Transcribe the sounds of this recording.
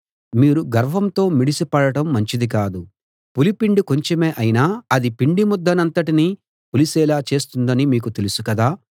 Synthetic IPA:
miːɾuɡɐɾʋɐmt̪o̞ːmiɽisipɐɽɐʈɐmːɐɲt͡ʃid̪ikaːd̪u | pulipiɳɖiko̞ɲt͡ʃemeːʔɐjinaːɐd̪ipiɳɖimud̪ːɐnɐnt̪ɐʈini | pulisɛːlaːt͡ʃe̞ːst̪und̪ɐnimiːkut̪e̞lusukɐd̪aː

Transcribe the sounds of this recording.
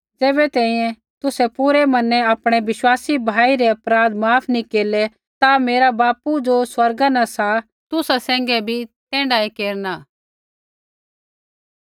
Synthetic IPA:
d͡zeːbɛt̪ɛ̃ːĩːɛ̃ | t̪ʊsɛpuɾɛmɐnɛɐpɽ̃ɛʋɪʃwaːsibʱaːiɾɛɐpɾaːd̪maːpʰnikeːlɛ | t̪ameːɾabaːpud͡ʒoswɐɾɡanãsa | t̪ʊsasɛ̃ːŋɡɛbʱit̪ɛ̃ːɳɖaekeːɾnaː

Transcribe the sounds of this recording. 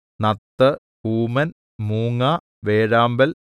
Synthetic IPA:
nɐt̪ːɐ | huːmɐn | muːŋaː | ʋeːɻaːmbɐl

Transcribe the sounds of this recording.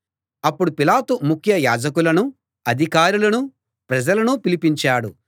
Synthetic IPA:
ɐpːuɽupilaːt̪umukʰjɐjaːd͡ʒɐkulɐnu | ɐd̪ʱikaːɾulɐnu | pɾɐd͡ʒɐlɐnupilipiɲt͡ʃaːɽṵ

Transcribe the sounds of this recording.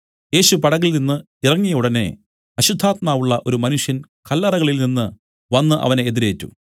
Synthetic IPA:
je̞ːɕupɐɽɐɣilninːɨ | irɐŋːijɐuɽɐnḛ | ɐɕud̪ʱːaːt̪maːʋuɭːɐʔo̞ɾumɐnuʂjɐn | kɐlːɐrɐɣɐɭilninːɨ | ʋɐnːɨʔɐ̰ʋɐneeðiɾe̞ːtːṵ

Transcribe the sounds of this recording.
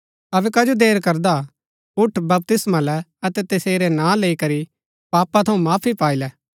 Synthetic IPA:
ɐbɛkɐd͡ʒod̪eːɾkɐɾd̪a | ʊʈʰbɐb̚t̪ɪsmãlɛɐt̪ɛt̪ɐseːɾɛnãːleikɐɾi | paːpat̪ʰɐũmaːpʰipaːilɛː

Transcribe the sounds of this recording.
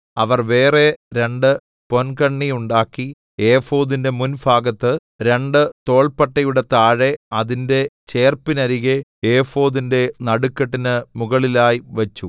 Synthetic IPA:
ɐʋɐrʋe̞ːre̞ɾe̞ɳɖɨ | po̞nkɐɳːijuɳɖaːkːi | e̞ːfo̞ːðinde̞munbʱaːɡɐt̪ːɨ | ɾe̞ɳɖɨt̪o̞ːɭpɐʈːɐjuɽe̞t̪aːɻe̞ɐðinde̞t͡ɕe̞ːrpinɐɾiɣeeːfo̞ːðinde̞nɐɽukːɐʈːinɨmuɣɐɭilaːjiʋɐt͡ɕːu

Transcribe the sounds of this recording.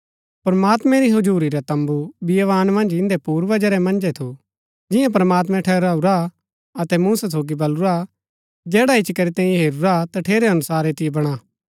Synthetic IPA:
pɾɐmaːt̪mɛ̃ɾiɦʊd͡ʒuːɾiɾat̪ɐ̃mbubijʋaːnmɐ̃nd͡ʒɪ̃nd̪epuːɾʋɐd͡ʒəɾɛmɐ̃nd͡ʒɛt̪ʰo | d͡ʒɪ̃jãp̬ɾɐmaːt̪̬mɛ̃ʈʰɛːɾaːuɾa | ɐt̪ɛmũːsasoːɡibɐluɾa | d͡ʒɛːɽaɪt͡ʃkɐɾit̪ɛ̃ːĩɦeːɾuɾat̪aʈʰeːɾeɐnʊsaːɾet̪ɪjebɐɽ̃aː

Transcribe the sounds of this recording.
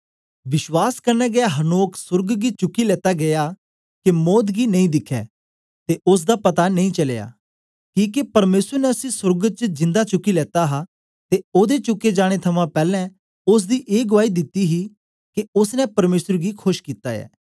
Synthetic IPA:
ʋɪʃwaːskɐɾnɛːɡɛaɦɐnoːksʊɾɡɡit͡ʃʊkːilɛːt̪aɡɐjaː | kemɔːd̪ɡinɐ̃ĩːd̪ɪkʰːɛ̰ː | t̪eʔʊs̬d̪apɐt̪anɐ̃ĩt͡ʃɐlḛja̰ː | kĩːkepɐɾmeːsəɾnɛəsĩsʊɾɡət͡ʃd͡ʒɪ̃nd̪at͡ʃʊkːilɛːt̪aɦaː | t̪eoːd̪et͡ʃʊkːed͡ʒaːɽ̃et̪ʰɐmãpɛːlɛ̃ | ʊs̬d̪iʔeːɡʊʋaːid̪ɪt̪ːiɦi | keʊsnɛ̃pɐɾmeːsəɾɡikʰʊʃkiːt̪a̰ɛ̰ː

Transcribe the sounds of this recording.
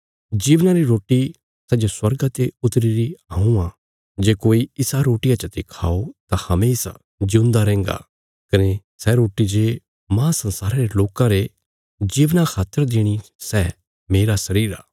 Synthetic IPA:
d͡ʒiːʋnãɾiɾoːʈi | sɛd͡ʒoswɐɾɡat̪eʊt̪ɾiɾiãũã | d͡ʒeːkoːiɪsaɾoːʈɪjãt͡ʃət̪ekʰaːot̪ãhɐmeɪsa̰ | d͡ʒʊ̃nd̪aɾɛ̃ːŋ̆ɡa̰ | kɐne | sɛɾoːʈid͡ʒeː | mãːsɐ̃nsaːɾãɾeloːkãɾe | d͡ʒiːʋnakʰaːt̪ːəɾd̪ɪɽ̃isɛː | meːɾasɐɾiːɾa̰ː

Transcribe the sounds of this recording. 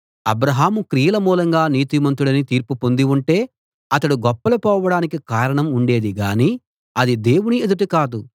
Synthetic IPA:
ɐ̰bɾɐɦaːmukɾiːjɐlɐmuːlɐŋɡaːniːt̪imɐnt̪̬uɽɐnit̪iːɾpupond̪iuɳʈe̞ː | ɐt̪ɐɽuɡɔpːɐlupɔːʋɐɽaːnikikaːɾɐɳɐmuɳɖe̞ːd̪iɡaːniː | ɐd̪id̪e̞ːwunied̪uʈikaːd̪u

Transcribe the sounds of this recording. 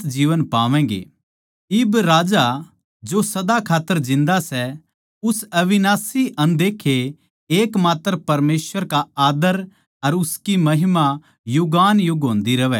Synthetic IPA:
t̪d͡ʒiːʋənpaːʋɛ̃ːɡḛː | ɪbɾaːd͡ʒa | d͡ʒosɐd̪akʰaːt̪ːəɾd͡ʒɪ̃nd̪asɛ | ʊsɐʋɪnaːsiɐ̃nd̪eːkʰːe | eːkmaːt̪ːəɾpɐɾmeːsʋəɾkaaːd̪əɾ | ɐɾʊskimɐɦɪma | jʊɡaːnjʊɡɦõːnd̪iɾɐʋɛ

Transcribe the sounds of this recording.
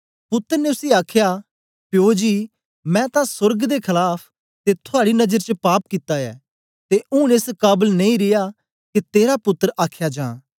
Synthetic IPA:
pʊt̪ːəɾneʊsiaːkʰjaː | pɪjoːd͡ʒiː | mɛ̃ːt̪ãsʊɾɡd̪ekʰɐlaːpʰ | t̪et̪ʰʊaːɽinɐd͡ʒəɾt͡ʃəpaːp̚kit̪aɛ̰ː | t̪eʔʊ̃neskaːbəlnẽĩɾɪjaː | ket̪eːɾapʊt̪ːəɾaːkʰjad͡ʒãː

